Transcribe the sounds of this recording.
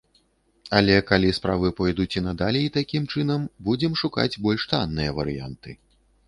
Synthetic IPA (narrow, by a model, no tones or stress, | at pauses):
ɐlʲɛkalʲispɾavɨpɔjd̪ut͡sʲinɐd̪alʲiit̪akʲimt͡ʂɨnɐmbud͡zʲɛmʂuka̰d͡zʲbɔlʲʂt̪anːɨjɐvɐ̰ɾɨ̰ja̰nt̪ɨ